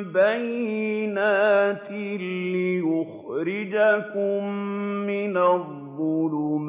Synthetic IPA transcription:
bajːɪnaːt̪ɪllɪjʊxɾɪd͡ʒakʊmmɪnaðː | ʊlum

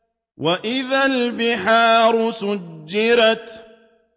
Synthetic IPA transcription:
wʔaʔɪðalbɪħaːɾˤʊsʊd͡ʒːɪɾɑt̪

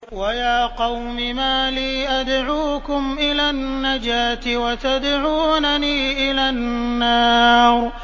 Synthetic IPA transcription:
wajaːqɑwmɪmaːliːʔad̪ʕuːkʊmʔɪlaːnːad͡ʒaːt̪ɪwat̪ad̪ʕuːnaniːʔɪlaːnːɑːɾˤ

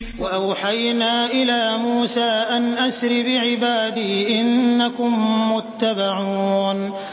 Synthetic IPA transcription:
waʔawħajnaːʔɪlaːmuːsaːʔanʔasɾɪbɪʕɪbaːd̪iːʔɪnːakʊmːʊt̪ːabaʕuːn

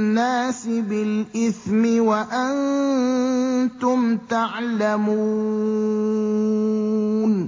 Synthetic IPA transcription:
nːaːsɪbɪlʔɪθmɪwaʔan | t̪ʊmt̪aʕlamu | n

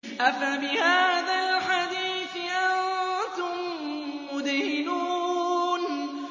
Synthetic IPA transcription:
ʔafabɪhaːðalħad̪iːθʔant̪ʊmː | ʊd̪hɪnuːn

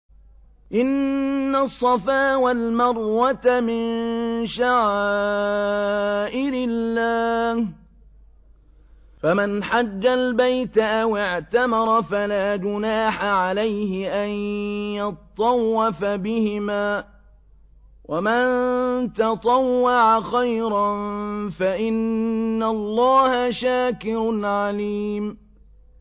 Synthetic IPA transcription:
ʔɪnːasˤːɑfaːwalmɑɾˤwat̪amɪnʃaʕa | ʔɪɾɪlːaːh | famanħad͡ʒːalbajt̪ʔawɪʕt̪amɑɾˤɑfalaːd͡ʒʊnaːħaʕalajhɪʔanjɑt̪t̪ˤːɑwːɑfabɪhɪmaː | wʔamant̪ɑt̪ˤɑwːɑʕaxajɾɑnfaʔɪnːalˤːɑːhaʃaːkɪɾʊlʕaliːm

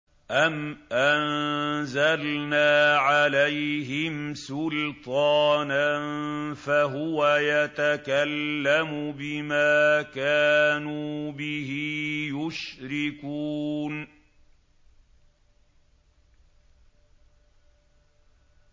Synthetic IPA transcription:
ʔamʔanzalnaːʕalajɦɪmsʊlt̪ˤɑːnanfaɦʊwajat̪akalːamʊbɪmaːkaːnuːbɪɦijʊʃɾɪkuːn

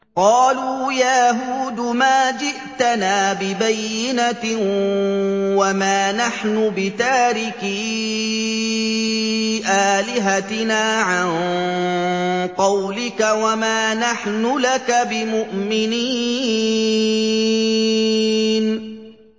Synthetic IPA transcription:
qɑːluːjaɦuːd̪ʊmaːd͡ʒɪʔt̪anaːbɪbajːɪna | wamaːnaħnʊbɪt̪aːɾɪki | ʔaːlɪɦat̪ɪnaːʕan | qɑwlɪkawamaːnaħnʊlakabɪmʊʔmɪniː | n

